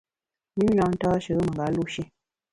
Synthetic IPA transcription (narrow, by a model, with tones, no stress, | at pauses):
mi˦nã˨˦n̩˦tɔː˦ʃə˨˦mə˨ŋɡa˨˦lu˦ʃe˦